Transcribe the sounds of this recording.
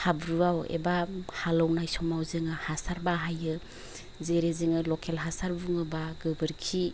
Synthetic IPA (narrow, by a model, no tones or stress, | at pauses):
habɾuawḛbahalɔwnajsɔmawzɯŋɯhasaɾbaɦajɯ | zeɾezɯŋɯlɔkʰelɦasaɾbuŋɯbaɡɯbɯɾkʰi